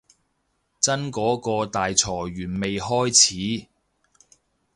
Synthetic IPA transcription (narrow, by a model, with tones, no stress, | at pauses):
t͡sɐ˥nkɔː˨˥kɔː˧t̪aː˨jt͡sʰɔː˨˩ɥyː˨˩nme˨jhɔː˥jt͡sʰiː˨˥